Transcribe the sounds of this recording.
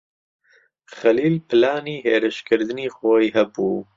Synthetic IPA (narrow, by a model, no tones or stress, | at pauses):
xɐliːlpʰɨlaːniːɦeːɾɨʃkʰɨɾd̪ɨniːχoːjɦɐbuː